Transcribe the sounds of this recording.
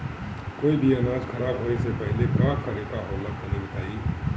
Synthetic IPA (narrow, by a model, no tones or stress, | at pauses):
koːibʱiənaːd͡ʒkʰɐɾaːbɦoːnesepɛɦlekaːkaɾeːk̪aɦoːlət̪nɐnibɐt̪ʰaːi